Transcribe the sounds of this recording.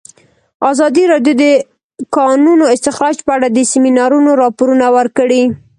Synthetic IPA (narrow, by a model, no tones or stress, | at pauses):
azɑd̪iɾɑɖjod̪ə | kɑnunoɪst̪ɪxɾɑd͡ʒpəaɽad̪əsɪminɑɾunoɾɑpoɾunawəɾkəɽi